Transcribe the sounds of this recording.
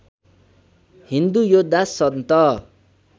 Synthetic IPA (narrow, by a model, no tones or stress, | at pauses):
hind̪ujod̪asːʌd̪nt̪ʌ